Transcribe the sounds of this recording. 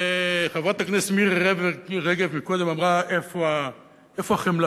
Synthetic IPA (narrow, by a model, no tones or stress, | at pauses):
eχavʁat̪aknesmiʁʁeveʁeɡevmikod̪emamʁaʔefoa | efoaχemla